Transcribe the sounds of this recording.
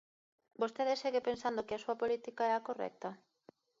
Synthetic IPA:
bost̪eðeseɣepensand̪okɪɐsuɐpolit̪ikaɛɐkorɛ̰k̚t̪ɐ

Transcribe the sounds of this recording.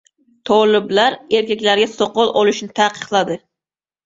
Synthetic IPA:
t̪ʰɒlˠɪblaɾeɾkʲakʲlaɾɡʲasoqɔlˠʔɒlˠɪʃnɪt̪ʰaqʰɨ̥qlˠad̪ɪ

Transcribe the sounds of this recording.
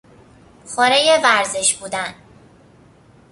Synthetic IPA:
xoːɾejevæɾzeʃbuːd̪æn

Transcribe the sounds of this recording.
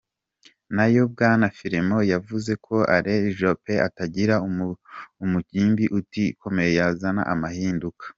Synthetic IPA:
najob̚ɡaːnafiɾemo̞javuze̞kʰo̞ʔaɾeʒope̞a̰taɟiɾau | umuciːmbiʔutiko̞me̞jejazana̰ʔamahiːndukḁ

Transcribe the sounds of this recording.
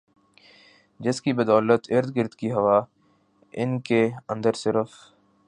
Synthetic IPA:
d͡ʒɪskibəd̪ɔːlət̪ɪɾd̪ɡɪɾd̪kiɦɐʋa | ɪ̰nkeɐ̃nd̪əɾsɪɾəf

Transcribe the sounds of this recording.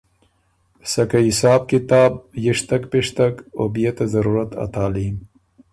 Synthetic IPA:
sɐkɐisaːb̚kit̪aːb̚jiʂt̪ɐkpiʂt̪ɐkobijet̪ɐzɐɾuːɾɐt̪ɐ̰t̪aːliːm

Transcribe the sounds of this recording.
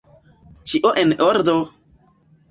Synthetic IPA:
t͡ʃiʔoʔenoɾd̪o

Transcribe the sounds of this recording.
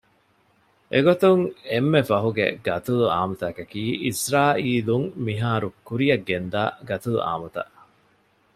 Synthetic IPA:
ʔeɡot̪uŋemːefɐɦuɡḛɡɐt̪ulua̰ːmut̪ɐkɐkiːisɾaːʔiːluŋmiɦaːɾukːuɾijɐɡːend̪aːɡɐt̪ulṵʔa̰ːmɐt̪ɐ̰ʔ

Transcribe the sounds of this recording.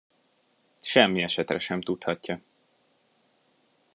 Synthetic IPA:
ʃɛmːiɛʃɛt̪rɛʃɛmt̪ut̪hɒcːɒ

